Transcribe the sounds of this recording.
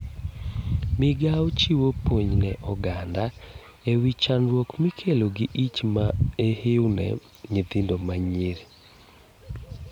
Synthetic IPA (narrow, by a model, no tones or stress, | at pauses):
mɪɡawt͡ʃiwopwoɲnɛʔɔɡanda | ewit͡ʃanɾwɔkmikʰeloɡɪʔit͡ʃmaehewnɛ̰ | ɲet̪ɪndomaɲeɾ